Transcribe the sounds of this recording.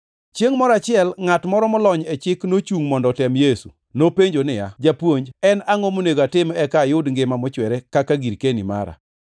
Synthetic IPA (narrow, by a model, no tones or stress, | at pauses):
t͡ʃjeŋmɔɾat͡ʃɪɛlŋatmɔɾɔmɔlɔɲɛt͡ʃɪknot͡ʃuŋmɔndɔtɛmjesṵ | nopeɲd͡ʒonɪjad͡ʒapwoɲd͡ʒɛnaŋomoneɡoatɪmɛkajʊdŋɡɪmamɔt͡ʃwɛɾɛkakaɡiɾkenima̰ɾa̰